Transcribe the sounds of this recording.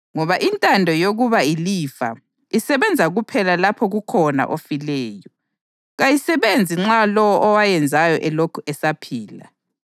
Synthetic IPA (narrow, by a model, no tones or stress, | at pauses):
ŋɔβaʔintʼandʱɔjoɣuβailiːfa̰ | isɛβɛnd͡zʱaɣupʰɛlalapʰɔɣukʰɔna̰ʔofilɛːjɔ | ɣajisɛβend͡zʱiŋ͡ǁalɔwɔʔɔwajɛnd͡zʱajɔʔɛlokʰuɛsapʰiːla̰